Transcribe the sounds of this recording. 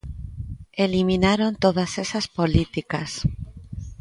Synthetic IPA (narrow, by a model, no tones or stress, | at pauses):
elimĩnaɾo̞nt̪oð̞ase̞saspo̞lit̪ikas